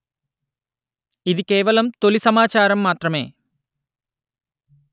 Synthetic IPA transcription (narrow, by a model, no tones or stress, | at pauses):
id̪ikeːʋɐlɐmt̪olisɐmaːt͡ʃaːɾɐmːaːt̪ɾɐme̞ː